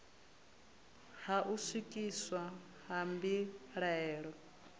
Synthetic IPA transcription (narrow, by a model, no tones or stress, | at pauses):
haʔusikʼiswa | hambiɺɛːɺɔ